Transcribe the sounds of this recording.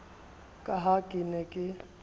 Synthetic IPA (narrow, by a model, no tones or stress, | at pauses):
kʼaɦakʼɪnɛkʼɪ